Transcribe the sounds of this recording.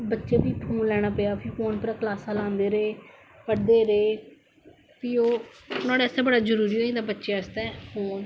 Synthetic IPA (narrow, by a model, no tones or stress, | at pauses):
bətːʃeːpiːpʰoːnlɛːɽ̃aːpejaːpʰiːpʰoːnpəɾaːklaːsaːlãːnd̪eːɾeː | pəɽd̪eːɾeː | pʰiːoːʊnãːɽeɛːsɛ̃ːbəɽaːd͡ʒəɾuːɾiːɦoːĩːt̪ãːbətːʃeːəst̪ɛ̃ːpʰoːn